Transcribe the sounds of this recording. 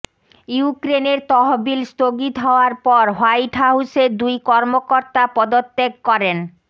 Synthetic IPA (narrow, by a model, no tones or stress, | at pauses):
jukɾeneɾt̪ɔɦobilst̪oɡit̪ɦɔoaɾpɔɾɦajʈʰaɦused̪ujkɔɾmokoɾt̪apɔd̪ot̪ːeɡkɔɾen